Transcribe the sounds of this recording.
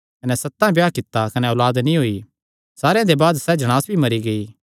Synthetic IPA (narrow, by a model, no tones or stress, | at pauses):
kɐnɛsɐt̪ːãbjaːkɪt̪ːakɐnɛɔlaːd̪nĩɦoːi | saːɾejãd̪ebaːd̪sɛd͡ʒɐɽ̃aːsbʱimɐɾiɡɐiː